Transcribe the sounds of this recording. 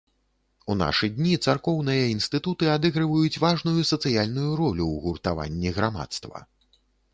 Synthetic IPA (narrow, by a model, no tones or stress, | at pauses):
una̰ʂɨd̪ʲnʲit̪sarkɔwnɨjɐinst̪ɨt̪ut̪ɨad̪ɛɣɾɨvɐjut͡sʲvaʐnujusɐt̪sɨjalʲnujuɾɔlʲuwɣurt̪ava̰nʲːiɣɾama̰t̪st̪vɐ̰